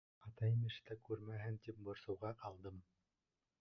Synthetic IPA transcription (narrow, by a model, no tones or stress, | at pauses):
ɑt̪ɑjmɘ̆ʃt̪ækʉɾmæɦɘnt̪ip̚bŏɾsɤ̆wʁɑqɑlˠd̪ɤm